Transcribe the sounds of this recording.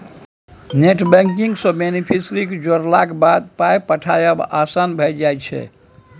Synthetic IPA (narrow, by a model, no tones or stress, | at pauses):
neʈbɛ̃ŋkiŋɡsɔ̃menipʰisɾikd͡ʒoɾlakbad̪̚pajpəʈʰajəba̰sanbʱəjd͡ʒajt͡ʃʰɛ̰